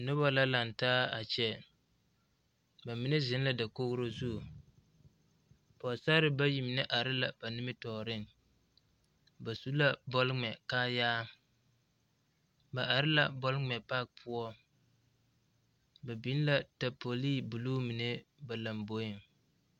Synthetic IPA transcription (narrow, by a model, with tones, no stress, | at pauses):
nʊ˦ba˦la˦la˨n˨taː˦a˨t͡ʃɛ˦ | ba˨mi˨˦ne˦zɪ˨˦n˦la˨da˨ko˦ɡɾo˦zu˦˨ | pɔ˨sa˦ɾɪ˨˦ba˦ji˨mi˨nɛ˦ʔa˨ɾɪ˦la˨b̥a˨nɪ˦mɪ˦tɔː˨ɾɪ˦ŋ | ba˨su˦la˦bɔ˦lŋ͡mɛ˨kaː˦jaː˦ | ba˨ʔa˨ɾɪ˦la̰˨bɔ˦lŋ͡mɛ˨pa˦k̚pʰʊ˦ɔ˦ | ba˨bi˦n˦la˨ta˨po˨li˦˨bu˨luː˦mi˨ne˦ba˨la˨mbo˦jɪ˦˨ŋ